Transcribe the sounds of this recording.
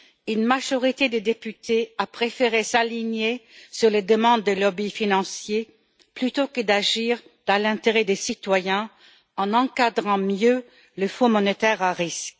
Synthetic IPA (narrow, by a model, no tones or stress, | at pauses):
ynmaʒɔʁit̪ed̪ed̪epyt̪eapχefeʁesaliɲesyʁled̪əmɑ̃d̪ːəlɔbifinɑ̃sje | plyt̪okəd̪aʒiːʁ | d̪̥ɑ̃lɛ̃t̪eʁɛd̪esit̪wajɛ̃ | ɑ̃nɑ̃kad̪ʁɑ̃mjø | ləfɔ̃mɔnet̪ɛʁaʁisk